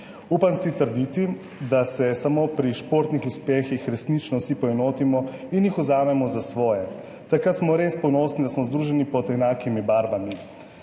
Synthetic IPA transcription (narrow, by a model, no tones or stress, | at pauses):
uːpansit̪əɾd̪it̪i | d̪asɛsamopɾiʃpoɾt̪nixuspɛːxixɾɛsnit͡ʃnɔwsipɔɛnoːt̪imɔinjixuzaːmɛmɔzasʋɔːjɛ | t̪akɾat̪smɔɾeːspɔnɔsnid̪asmɔzd̪ɾuːʒɛnipɔd̪ɛnaːkimibaːɾbami